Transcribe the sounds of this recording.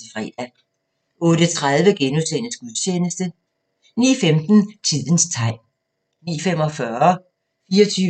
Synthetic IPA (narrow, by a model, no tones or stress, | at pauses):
ifʁɛ̰ːd̥æ | ʔɔ̽ːɾ̥ət͡sʰʁaðˠʋəɡ̥enuðˠsenəsɡ̥uðˠɕʰenəsd̥ə | nḭːfemd̥n̩t͡sʰið̰ˠən̩st͡sʰɑ̈ɪ̰m | nḭːfem̰ɒ̽fɶːɐɐ | fiːɒt͡sʰyː